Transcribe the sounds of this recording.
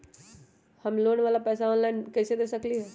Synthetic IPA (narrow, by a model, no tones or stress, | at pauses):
hɐmloːnʋaːlapɛːsaɔːnlaːɪnkɛːsed̪eːsəkliɦɛː